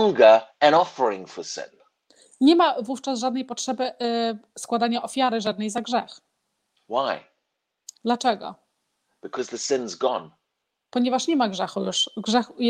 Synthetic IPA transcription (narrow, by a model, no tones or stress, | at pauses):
ŋɡəɨ̃ñɔfə˞ɪ̃ŋfəsɪ̰̃n | ɲɛmavuft͡ʂasʐad̪nɛjpɔtʂɛbɘ | skwad̪aɲaʔɔfʲjaɾɘʐad̪nɛjzaɡʐɛx | waɪ | d̪lat͡ʂɛɡɔ̰ | b̥ɨkʰʌzðəsɪ̃nzɡɔ̃n | pɔɲɛvaʂɲɛmaɡʐɛxujuʂɡʐɛxj